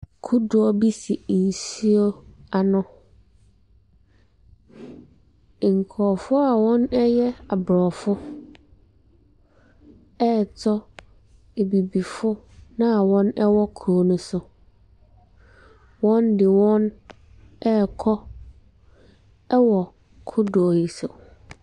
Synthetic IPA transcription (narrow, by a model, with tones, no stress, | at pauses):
kʰu˦dʊ˨˦ɔ˦bi˦si˨n̩˨si˦o˦a˨nʊ̃˦˨ | ŋ̩˨kʰɔː˨fʊ˦a˨wɔ̃˦nɛ˦jɛ˦a˨bɾɔː˨fʊ˦ | ɛ˦˨tʰɔ˦ | e˨bi˨bi˨fʊ˦nã˦˨wɔ̃˦nɛ˦wɔ˦kʰu˨o˦nʊ̃˦sʊ˦ | wɔ̃˦ndɪ˨wɔ̃˦n | ɛ˦˨kʰɔ˦ | ɛ˦wɔ˨ | kʰʊ˦dɔ˨ji˨so˨